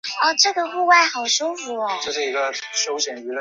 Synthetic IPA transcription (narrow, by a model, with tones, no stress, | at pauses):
ɔ˥˩ʈ͡ʂɤ˥˩ɡə˨xu˥˧wa˥˩ɪxɑ˨˩ʊʂu˥fu˧˥˦lɔ˧˩t͡ɕo˥˧ʂɻ̩˥˩i˧˥ɡə˧ʂo˥ʊɕɛ˨˩ŋy˧˥l